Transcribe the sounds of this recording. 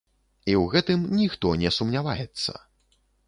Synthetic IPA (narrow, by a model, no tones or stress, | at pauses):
iwɣɛt̪ɨmnʲixt̪ɔnʲɛsumnʲavajɛt̪sːɐ̰